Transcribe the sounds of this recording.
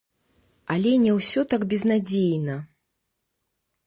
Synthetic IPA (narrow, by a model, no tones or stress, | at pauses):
alʲɛnʲɛwsʲɔt̪aɡbʲɛznad͡zʲejnɐ